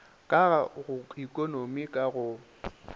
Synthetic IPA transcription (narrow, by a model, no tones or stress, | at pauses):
kʼaɣaɣʊikʼonomikʼaɣʊ